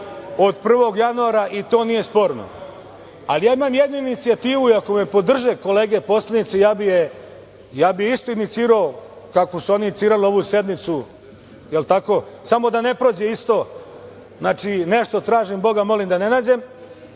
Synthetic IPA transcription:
o̞d̪pr̩ʋo̞ɡjanuaːɾaʔit̪o̞ːnije̞spo̞ːɾno̰ | a̰lijaːimaːmjed̪nuinit̪siat̪iːʋuiakome̞po̞d̪r̩ʒeko̞leːɡe̞po̞slˠanit̪sejaːbije | jaːbijist̪o̞init̪siːɾao | kako̞suo̞niinit̪iːɾalio̞ʋuse̞d̪mit̪su | jelt̪ako̞samo̞d̪ane̞pɾo̞ːd͡ʑeist̪o̞ | znaːt͡ʃine̞ʃt̪o̞t̪ɾaːʒimbo̞ɡamo̞limd̪ane̞naːd͡ʑe̞m

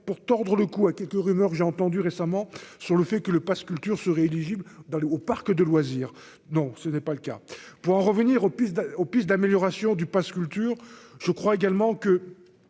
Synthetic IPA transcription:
puʁt̪ɔʁd̪ʁələkuakʲɛlkəʁymœʁkʒeɑ̃t̪ɑ̃d̪yʁesamɑ̃syʁləfɛkələpaskʲylt̪yʁsəʁɛeliʒibld̪ɑ̃lopaʁkd̪əlwaziːʁ | nɔ̃sənɛpaləka̰puʁɑ̃ʁəvəniʁopisd̪opisd̪ameljɔʁasjɔ̃d̪ypaskʲylt̪yːʁʒ̥əkχwaeɡalmɑ̃kə

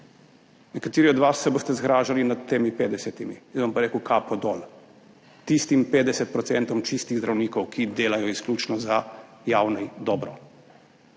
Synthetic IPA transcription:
nɛkat̪iːɾiɔd̪ʋasːɛbost̪ɛzɡɾaːʒalinad̪t̪ːeːmipeːd̪ɛsɛt̪imiinʋampaɾeːkəwkʰaːpɔd̪ɔːl | t̪ist̪impeːd̪ɛsɛt̪̚pɾɔt̪sɛnt̪ɔmt͡ʃist̪iɣzd̪ɾawniːkɔwkʰid̪eːlajɔisklʲuːt͡ʃnɔzajaːwnɛd̪ɔːbɾɔ

